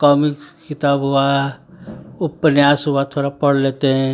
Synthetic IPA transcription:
kɔːmɪkskɪt̪aːbɦʊa | ʊpnjaːsɦʊat̪ʰoːɽapəɽleːt̪eɦɛ̃

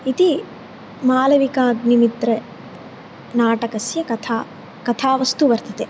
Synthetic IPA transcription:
it̪i | maːlɐʋikaːɡnimit̪ɾe | naːʈɐkɐsjɐkɐt̪ʰaː | kɐt̪ʰaːʋɐst̪uʋɐɾt̪ɐt̪e

